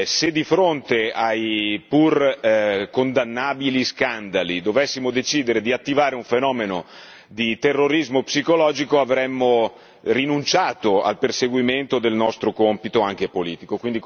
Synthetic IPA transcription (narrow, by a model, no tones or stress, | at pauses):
sed̪ːifɾont̪eajpur | kond̪anːaːbiliskand̪alid̪ovɛsːimod̪et͡ʃiːd̪eɾed̪iat̪ːivaːɾeuɱfenɔːmeno | d̪it̪erːoɾizmopsikolɔːd͡ʒikoavɾɛmːo | rinunt͡ʃaːt̪oa̰lperseɡwiment̪od̪elnɔst̪ɾokompit̪oaŋk̟epoliːt̪ikokwind̪i